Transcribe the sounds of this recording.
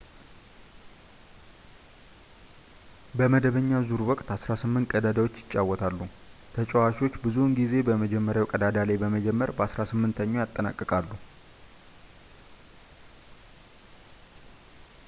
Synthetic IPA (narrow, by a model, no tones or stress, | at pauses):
bəməd̪əβəɲːazuɾwɔkʼt̪asɾasɨmːɨnt̪̚kʼəd̪ad̪awot͡ʃːjɪt͡ʃʼːawːɔt̪ʰalːu | t̪ʰət͡ʃʼɛwaʃiwo̞t͡ʃːbɨzunɡize̞bəməd͡ʒɛmːəɾjawkʼəd̪ad̪alajbəməd͡ʒɛmːəɾbəasɾasɨmːɨnt̪ʰəɲːo̞jat̪ʼːəna̰kʼːɨkʼalːu